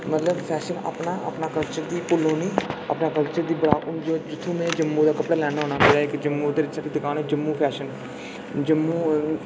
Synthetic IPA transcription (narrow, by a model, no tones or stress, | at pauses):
mət̪ləbpʰɛːʃənə̰pnaːə̰pnaːkəlt͡ʃəɾd̪iːpʊloːniːə̰pnaːkəlt͡ʃəɾd̪iːbəɽaːʊnd͡ʒoːd͡ʒɪt̪ʰːõːmɛ̃ːd͡ʒəmːuːd̪aːkəpɽaːlɛːnːɦoːnaːmeːɽaːɪkd͡ʒəmːuːd̪eːɾɪt͡ʃsakiːd̪ɪkaːnɛːd͡ʒəmːuːpʰɛːʃən | d͡ʒəmːuː